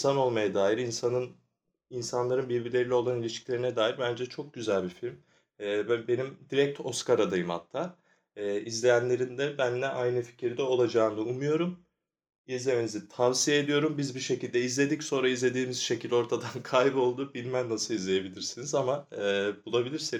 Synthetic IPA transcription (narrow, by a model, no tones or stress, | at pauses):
sano̞lˠmajad̪aːjiɾinsanɯn | insanlˠaɾɯnbiɾbilʲeilʲɛo̞lˠanilʲiʃclʲe̞ɾinɛd̪aːjiɾbænd͡ʒɛt͡ʃʰo̞k̚ɟyzælʲbifilʲmː | bbe̞nimd̪iɾɛc̚t̪ʰo̞skaɾad̪ajɯmha̰t̪ʰːaː | izlʲejænlʲe̞ɾind̪ɛbænːɛʔajnɯfi̥cʰiɾd̪ɛo̞lˠad͡ʒaːɯnd̪aumujo̞ɾum | izlʲe̞menizit̪ʰavsijeːd̪ijo̞ɾumbizbiʃe̞cilʲd̪ɛizlʲe̞d̪icso̞nɾaizlʲe̞d̪iːmiz̥ʃe̞cʰilʲo̞ɾt̪ʰad̪ankʰajbo̞lˠd̪uːbilʲmænːasɯlizlʲeje̞bilʲiɾsinizamabulˠabilʲiɾsi